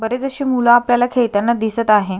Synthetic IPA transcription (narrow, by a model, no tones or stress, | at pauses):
bəɾed͡zəɕiːmulãapljalakʰeɭt̪ənːad̪isət̪aɦe